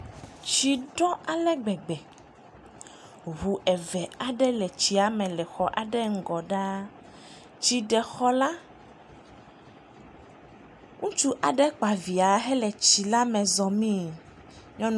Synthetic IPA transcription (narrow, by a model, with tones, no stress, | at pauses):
t͡ʃi˨ɖɔ˦a˨lɛ˦ɡ͡bɛ˨ɡ͡bɛ˨ | ɦu˨ʔɛ˨vɛ˨a˨ɖɛ˦lɛ˨t͡ɕi˨a˨mɛ̃˨lɛ˨xɔ˦ʔa˨ɖɛ˦ŋ̩˦ɡɔ˨ɖa˦ | t͡ʃi˨ɖɛ˨xɔ˦la˦ | ŋũ˦t͡ʃu˦ʔa˨ɖɛ˦k͡pa˨vi˨a˨ɦɛ˦lɛ˨t͡ɕi˨la˦mɛ̃˨zɔ˨mĩ˦ | ɲɔ̃˦n˦